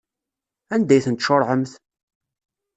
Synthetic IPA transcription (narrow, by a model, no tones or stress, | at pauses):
ænd̪æjθənt̪ʃoɾˤʕəmθ